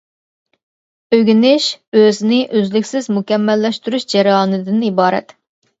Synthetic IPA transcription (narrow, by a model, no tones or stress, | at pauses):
øɡʲynɪʃøzɪnɪʔøzlɪkʲsɪzmukʲɛmːɛlːɛʃt̪yɾyʃd͡ʒɛɾɨɑːnɨd̪ɪnibɑːɾɛ̰t̪